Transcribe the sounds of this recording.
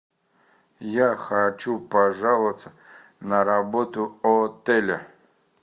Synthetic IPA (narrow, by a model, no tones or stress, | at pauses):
jaxat͡ɕupɐʐalˠət̪sə | nɐɾabot̪ʊot̪ɛlʲɪ